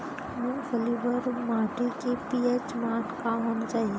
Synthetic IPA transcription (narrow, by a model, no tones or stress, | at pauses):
mũfəlibəɾmaːʈikepiːet͡ʃmaːʈkaɦoːnat͡ʃaːɦie